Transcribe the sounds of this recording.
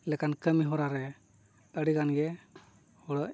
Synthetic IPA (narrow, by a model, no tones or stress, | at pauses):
lɛkankəmiɦɔɾaɾɛ | əɽikanɡɛ | hɔɽɔʔ